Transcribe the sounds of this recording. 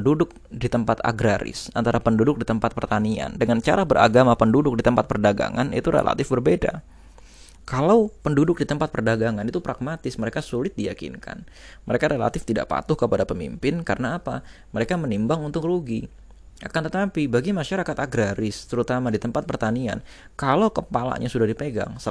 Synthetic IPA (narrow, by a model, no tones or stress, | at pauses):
ndudʊk̚ | dit̪əmpat̪a̰ɡɾaɾɪ̰sant̪aɾapəndudʊk̚dit̪əmpat̪̚pərt̪ania̰ndəŋant͡ʃa̰ɾabəɾa̰ɡamapəndudʊk̚dit̪əmpat̪̚pərdaɡa̰ŋa̰nḭt̪uɾḛla̰t̪ɪfbərbeda̰ | kalawpəndudʊk̚dit̪əmpat̪̚pərdaɡaŋanit̪upɾaɡ̚mat̪ɪsməɾekasulɪt̪̚dijakɪ̰nkʰa̰n | məɾekaɾela̰t̪ɪft̪ida̰ʔpa̰t̪ʊhkəpadapəmḭmpɪnkaɾənaːpaməɾekamənimbaŋunt̪ʊkruɡi | ʔa̰kant̪ət̪apibaɡimaʃaɾakat̪aɡɾaɾɪst̪əɾut̪amadit̪əmpat̪̚pərt̪ania̰n | kalawkəpala̰ɲasudahdipeɡa̰ŋsə